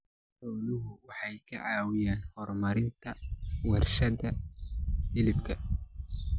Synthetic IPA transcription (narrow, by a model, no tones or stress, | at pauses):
ħɔwlʊɦʊwɑħɑjkʰɐ̰ʕɑːwɪjaːnhɔrmɐɾɪnt̪ʰɐwɛrʃɐðɐ | ɪlɪbkʰɐ